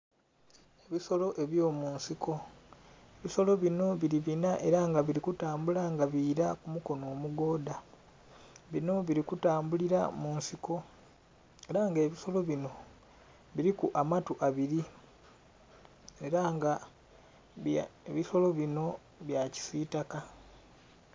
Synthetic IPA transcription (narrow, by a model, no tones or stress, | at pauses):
eβiso̞lo̞ʔe̞βjo̞ːmuːnsiko̞ | eβiso̞lo̞βino̞βiɾiβinaʔe̞ɾaŋɡaβiɾikutaːmbulaŋɡaβiːɾakumuko̞no̞ːmuɡo̞ːda | βino̞βiɾikutaːmbuliɾa̰munsiko̞ | eɾaŋɡe̞ːβiso̞lo̞βino̞ | βiɾikuʔamatuʔaβiɾi | e̞ɾaŋɡa | eβiso̞lo̞βino̞ | βjaci̥sitaka